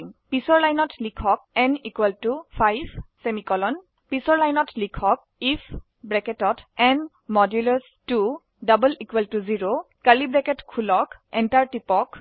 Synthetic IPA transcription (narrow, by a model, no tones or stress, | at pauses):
ŋpisɔɹlajnɔtlikʰɔk̚ɛnikwɛltupʰajbʱsemikɔlɔn | pisɔɹlajnɔtlikʰɔk̚ | ipʰ | bɹɛkɛtɔtɛn | mɔdjulɔɹs | tu | dabəlikweltuziɹo | kalibɹɛkɛtkʰulɔkɛntaɹtipɔk